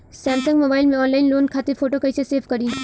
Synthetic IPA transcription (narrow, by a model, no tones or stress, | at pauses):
sɛːmsɐ̃ŋɡmoːbaːɪlmẽɔːnlaːɪnloːnkʰaːt̪efʰoːʈokɐiseseːfʰkɐɾiː